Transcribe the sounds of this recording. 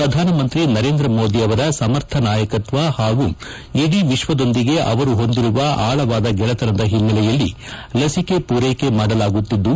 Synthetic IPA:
pɾɐd̪ʱaːnɐmɐnt̪ɾinɐɾe̞ːnd̪ɾɐmo̞ːd̪iɐʋɐɾɐsɐmɐɾt̪ʰɐnaːjɐkɐt̪ʋɐhaːɡu | eɽiʋiʃʋɐd̪o̞nd̪iɡe̞ʔɐ̰ʋɐɾuɦo̞nd̪iɾuʋɐaːɭɐʋaːd̪ɐɡɛɭɐt̪ɐɾɐnd̪ɐɦinːɐlɛjɐlːḭlɐsike̞puːɾeːke̞maːɽɐlaːɡut̪ːid̪ːu

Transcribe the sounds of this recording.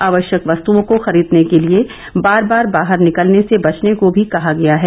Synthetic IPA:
aːʋəʃjəkʋɐst̪uõkoxɐɾiːd̪nekelie | baːɾbaːɾbaːɦəɾnɪkəlnesebɐt͡ʃnekobʱikɐɦaɡɐjaɦɛː

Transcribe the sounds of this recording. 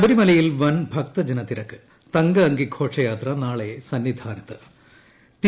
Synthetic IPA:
ɽɐɾimɐlɐjilʋɐnbʱɐkt̪ɐd͡ʑɐnɐt̪iɾɐkːɨ̥ | t̪ɐŋɡɐːŋɡikʰo̞ːʂɐjaːt̪rɐnaːɭesɐnːʋid̪ʱaːnɐt̪ːɨ | t̪i

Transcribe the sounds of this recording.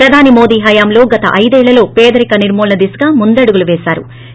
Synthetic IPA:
pɾɐd̪ʱaːnimo̞ːd̪iːɦɐjaːmlo̞ːɡɐt̪ɐ̰ʔɐjd̪ɛːɭːɐlo̞ːpeːd̪ɐɾikɐniɾmoːlɐnɐd̪isɐ̥ɡaːmund̪ɐɽuɡuluʋeːsaːɾu

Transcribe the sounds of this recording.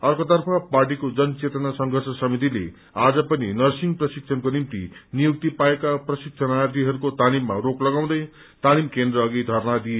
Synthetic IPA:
ʌrkot̪ʌrpʰʌparʈ̬ikod͡zʌnt͡set̪ʌnasʌŋɡʱʌrsʌsʌmit̪̬ilḛ | ad͡zʌpʌninʌrsiŋɡprʌsik̚t͡sʰʌnkonimt̪ḭnijuk̚t̪ipaekaprʌsik̚t͡sʰʌnad̪ʱiɦʌɾukot̪alimːaroklʌɡãw̃d̪ʌj | t̪animkend̪rʌːɡid̪ʱʌrnad̪ie

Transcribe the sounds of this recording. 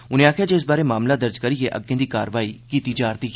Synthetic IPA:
ʊnẽːaːkʰjaːd͡ʒeɪs̬baːɾemaːmlad̪əɾd͡ʒkəɾieʔɐ̰ɡːẽːd̪iːkaːɾʋaːikiːt̪id͡ʒaːɾt̪iː

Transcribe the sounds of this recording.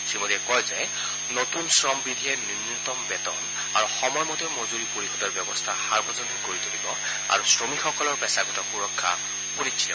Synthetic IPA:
sʰibɔdiɛkɔjzɛ | notunsɹɔmbidʱiɛninːutɔmbɛtɔ̰n | aɹuxɔmɔjmɔtɛmozuɹipoɹixɔdɔɹbɛbɔstʰaxaɹbʱɔzɔnɔkoɹit̪ulibɔ | a̰ɹusɹomixɔkɔlɔɹpɛsaɡɔtɔxuɹɔkʰːa̰ | punitt͡ʃʰilɛ

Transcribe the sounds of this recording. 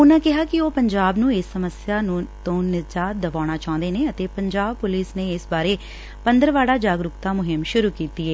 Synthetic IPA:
ʊnãːkɪɦaːkɪoːpəɲd͡ʒaːbnũːɪsːəməsɪjaːnũːt̪õːnɪd͡ʒaːt̪̚d̪əʋaːñaːt͡ʃãːʊ̃nd̪eːneːət̪eːpəɲd͡ʒaːb̚pʊlɪsneːɪsbaːɾeː | pənd̪əɾʋaːɽaːd͡ʒaːɡɾʊkt̪aːmʊɦɪmʃʊɾuːkiːt̪iːɛː

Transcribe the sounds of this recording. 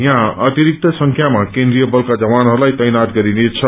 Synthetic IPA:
jãʌt̪iɾik̚t̪ʌsʌŋkʰjamakẽnd̪rijʌbʌlkad͡zʌbanɦʌɾulajt̪ʌjnat̪ɡʌɾinet͡sʰʌ

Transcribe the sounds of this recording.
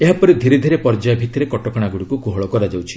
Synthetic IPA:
eɦapɔɾed̪ʱiɾed̪ʱiɾepɔɾd͡ʒajɔbʱit̪iɾekɔʈɔkɔɽ̃aɡuɽikukuɦɔɭɔkɔɾad͡ʒawt͡ʃʰi̥

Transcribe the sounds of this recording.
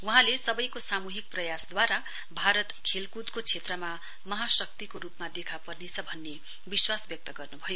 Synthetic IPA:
uɦãlesʌbʌjkosamuɦik̚prʌjasd̪waɾa | bʱaɾʌt̪kʰelkud̪kot͡sʰet̪rʌma | mʌɦasʌk̚t̪ikoɾupmad̪ekʰapʌrnit͡sʰʌbʱʌnːe | biswasbjʌk̚t̪ʌɡʌrnubʱʌjo

